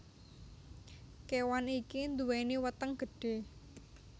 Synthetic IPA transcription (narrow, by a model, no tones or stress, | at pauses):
kewanikind̪uwɛniwət̪əŋɡ̥ə̤ɖ̥e̤